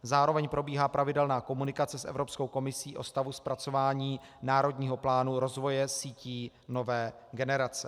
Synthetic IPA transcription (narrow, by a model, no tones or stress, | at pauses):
zaːɾo̞vɛɲpɾo̞biːɦaːpɾʔavɪdɛlnaːko̞munɪkat͡sɛsʔɛ̰vɾo̞psko̞wko̞mɪsiːʔo̞̰st̪avuspɾat͡so̞vaːɲiː | naːɾo̞dɲiːɦo̞plaːnuɾo̞zvo̞jɛsiːciː | no̞vɛː | ɡɛnɛɾat͡sɛ